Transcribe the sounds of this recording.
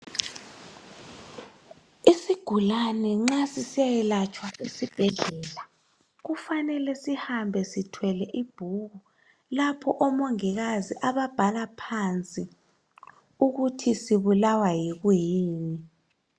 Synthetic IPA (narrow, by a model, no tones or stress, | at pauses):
isiɡ̥ʱulanɛŋ͡ǁasisijajɛlat͡ʃʼwaesib̥ʱɛɮɛːla | ɣufanɛlɛsihambʱɛsitʰwɛlɛʔib̥ʱuɣu | lapʰɔʔɔmɔŋiɣaziʔaβab̥ʱalapʰant͡sʼi | uɣutʰisiβulawajiɣujiːni